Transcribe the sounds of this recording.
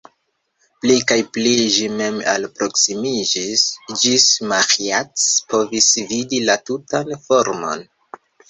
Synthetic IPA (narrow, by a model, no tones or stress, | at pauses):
plikajpliʒime̞ma̰lpɾo̞ksimid͡ʒisd͡ʒismaxiatspo̞visvidilatutanfo̞ɾmo̞̰n